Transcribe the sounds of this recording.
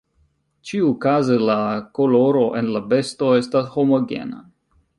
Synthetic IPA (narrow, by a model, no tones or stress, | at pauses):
t͡ʃiukazelakolo̞ɾo̞ʔenlabe̞sto̞e̞stasho̞mo̞ɡe̞̰na̰